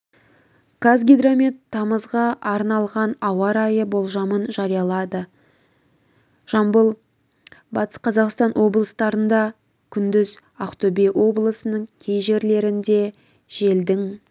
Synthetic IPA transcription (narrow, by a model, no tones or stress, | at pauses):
ɡ̥azɡʲid̪ɾomʲit̪ʰːɑməzʁɑʔɑɾnɑlˠʁɑnɑwɑɾɑjəbo̞lˠʒɑmənʒɑɾijɑlˠɑd̪ə | ʒ̥ɑmbəlˠ | bɑt̪ə̥sqʰɑzɑqst̪ɑnʔwo̞blˠəst̪ɑɾənd̪ɑ | kʲʰʏnd̪ɪz | aqt̪obewʔo̞blˠəsənəɴkʲʰe̞jʒe̞ɾle̞ɾɪnd̪e̞ | ʒ̥e̞ld̪ɪŋ